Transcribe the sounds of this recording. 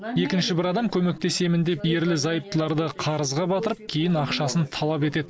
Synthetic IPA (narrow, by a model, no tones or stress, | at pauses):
e̞kʲɪnʃɪbɪɾɑd̪ɑmkʲʰɵme̞k̚t̪e̞se̞mɪnd̪e̞pje̞ɾlɪzɑjəp̚t̪əlˠɑɾd̪əqʰɑɾəzʁɑbɑt̪əɾəp̚kʲʰe̞jɪnɑqʃɑsənt̪ʰɑlˠɑpe̞t̪e̞d̪ɪ